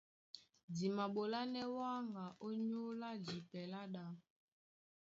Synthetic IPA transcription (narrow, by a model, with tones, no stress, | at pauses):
di˨ma˨ɓo˨la˦nɛ˦wa˦ŋɡa˨ʔo˦ɲo˦la˦d͡ʒi˨pɛ˨la˦ɗa˨